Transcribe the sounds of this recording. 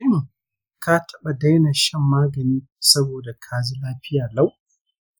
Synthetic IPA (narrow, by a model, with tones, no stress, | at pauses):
ɪ˦ŋ | ka˦tʰɐ˦ɓa˨da˦jnaː˨ʃɛ˦mːaː˦ɡɐ˨niː˦ | sɐ˦boː˨da˨kʰaː˦zi˦laː˦ɸɪ˦jaː˨la˦˨w